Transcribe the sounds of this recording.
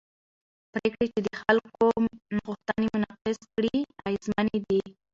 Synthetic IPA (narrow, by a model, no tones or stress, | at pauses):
pɾekɽet͡ʃed̪əxalkonɣuxt̪ənemʊnaqɪskɽiajzmaned̪i